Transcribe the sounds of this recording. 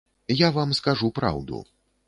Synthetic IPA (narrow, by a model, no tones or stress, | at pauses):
javamskaʐupɾa̰wd̪ṵ